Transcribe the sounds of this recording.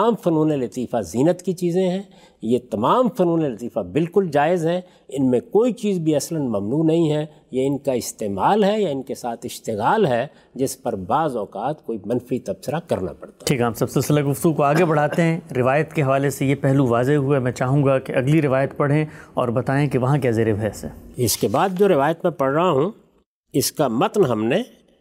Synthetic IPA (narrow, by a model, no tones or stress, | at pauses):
aːmfɐnuːnelɐt̪iːfaziːnət̪kit͡ʃiːzẽɦɛ̃ː | jet̪ɐmaːmfɐnuːnelɐt̪iːfabɪlkʊld͡ʒaːɪzɦɛ | ɪnmẽkoːit͡ʃiːzbʱiɐslənmɐmnuːnɐɦĩɦɛ | jaɪnkaɪst̪eːmaːlɦɛjaɪnkesaːt̪ʰɪʃt̪ɪɣaːlɦɛ | d͡ʒɪspɐɾbaːzɔːkaːt̪koːimɐnfit̪ɐbsɪɾakɐɾna̰pɐɽt̪ḁʈʰiːkamsɐbsɪlsɪlaɡʊft̪ɡukoaːɡebɐɽ̤aːt̪eɦɛ̃ɾɪʋaːjət̪keɦɐʋaːlesejepɛɦluʋaːzeɦuemɛ̃t͡ʃaːɦũːɡakeʔɐɡliɾɪʋaːjət̪pɐɽ̤ẽɔːɾbɐt̪aːẽkeʋɐɦãk̬jɛːzeɾɪbɛsɛ̰ːɪskebaːd̪̚d͡ʒoːɾɪʋaːjət̪mẽpɐɽɾɐɦaɦũ | ɪskamɐt̪nɦɐmne